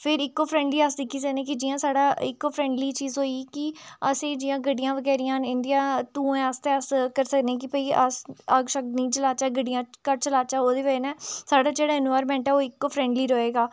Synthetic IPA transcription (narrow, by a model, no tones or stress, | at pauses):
pʰɪɾɪkːoːpʰɾɛ̃ːɳɖliːəs̬d̪ɪkʰːiːs̬əknẽːkid͡ʒiːjãːsaːɽaːɪ̰kːoːpʰɾɛ̃ːɳɖliːt͡ʃiːzɦoːiːkɪəsẽːd͡ʒijãːɡəɖɪjãːʋəɡɛːɾijãːnɪnd̪ijaːt̪ũːẽəst̪eːəskəɾsəknẽːk̬ipəiːʔəsəɡʃək̪̚nĩːt͡ʃəlaːt͡ʃaːɡəɖijãːkəɾt͡ʃəlaːt͡ʃaːoːd̪eːʋənɛːsaːɖaːd͡ʒeːɽaːɪnʋaːɾmɛ̃ːɳʈɛːoːɪkːoːpʰɾɛ̃ːɳɖliːɾoːeːɡaː